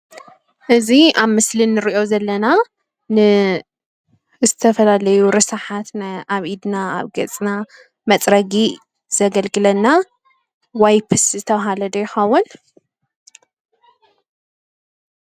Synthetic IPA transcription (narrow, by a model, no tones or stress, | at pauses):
ʔɨziʔaβmɨslɨnːɨɾiʔo̞zɐlːɐna | nɨ | zɨt̪ʰɐfɐlalɐjuɾɨsaħat̪najʔaβʔid̪naa̰βɡɐt͡sʼna | mɐt͡sʼɾɐɡi | z̥ɐɡɐlɡɨlɐnːa | wajpʰɨszɨt̪ʰɐβɦalɐd̪ɐjɪxɐwːʊn